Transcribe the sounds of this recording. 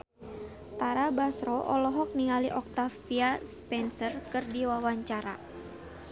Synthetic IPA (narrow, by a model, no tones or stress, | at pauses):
t̪aɾabasɾɔʔɔ̰lɔɦɔk̚nialiʔɔk̚t̪afiaspɛnsərkɨrdiwawaɲt͡ʃaɾa̰